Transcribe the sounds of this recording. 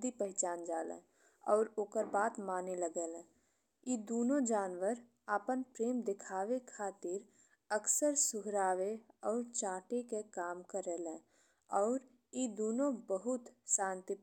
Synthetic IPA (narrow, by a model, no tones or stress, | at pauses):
d̪ipəɦɪt͡ʃaːnd͡ʒaːlɛ̰̃ː | ɔːɾoːkəɾbaːt̪maːneləɡeːlɛ̃ː | id̪oːnõd͡ʒaːnʋəɾ | aːpənpɾeːmd̪ɪkʰaːʋekʰaːt̪ɪɾ | əksəɾsʊɦɾaːʋeɔːɾt͡ʃaːʈekekaːmkəɾelɛ̃ː | ɔːɾ | id̪oːnõbəɦʊt̪ʃãːnt̪i